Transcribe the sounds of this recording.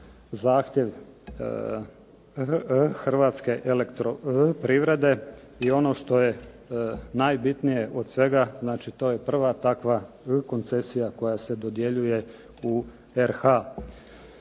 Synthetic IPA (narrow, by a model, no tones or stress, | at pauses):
zaːxt̪je̞ʋ | xr̩ʋaːt̪ske̞ʔelekt̪ɾopɾiʋɾed̪e̞ | io̞no̞ʃt̪o̞je̞ | najbit̪nije̞ʔod̪sʋe̞ɡaznaːt͡ʃit̪o̞ːje̞pr̩ʋat̪akʋa | ko̞nt̪se̞sijako̞jase̞d̪od̪jeʎuje̞ | u | eɾxa